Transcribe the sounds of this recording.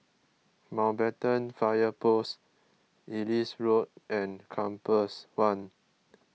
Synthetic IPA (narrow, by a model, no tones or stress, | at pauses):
mãwbɛtə̃nfajəpos | ilisɹot̚ʔɛ̃nkʰãmpəswãn